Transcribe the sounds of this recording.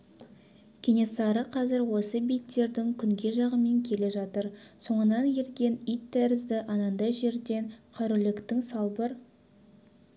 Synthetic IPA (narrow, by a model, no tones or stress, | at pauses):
kʲʰene̞sɑɾəqʰɑzɪɾwo̞səbijt̪ːe̞ɾd̪ɪŋkʲʰʏŋɡʲe̞ʒɑʁəme̞ŋkʲʰe̞le̞ʒɑt̪əɾso̞ɴənɑneɾɡʲe̞nijt̪ːæɾɪzd̪ɪʔɑnɑnd̪ɑjʒe̞ɾd̪e̞nqʰɑɾʊlɪkt̪ɪŋsɑlˠbəɾ